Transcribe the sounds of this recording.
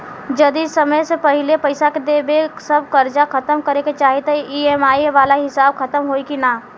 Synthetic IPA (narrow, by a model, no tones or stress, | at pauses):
d͡ʒɐd̪isɐməjsepɐɦɪlepɐɪsaked̪eːbeksɐb̚kɐɾd͡ʒakɐt̪əmkɐɾeket͡ʃaːɦet̪eʔiɛmaːiʋaːlaɦɪsaːb̚kʰɐt̪əmɦoːikinaː